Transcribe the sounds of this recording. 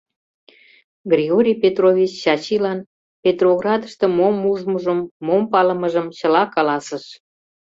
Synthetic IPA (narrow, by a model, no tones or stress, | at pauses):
ɡrʲiɣoɾʲijpʲet̪rovʲit͡ɕːɑt͡ɕilɑn | pʲet̪roɣrɑd̪əʃt̪ɤ̆momuʒməʒəmːompɑləməʒəmt͡ɕəlɑkɑlɑsəʃ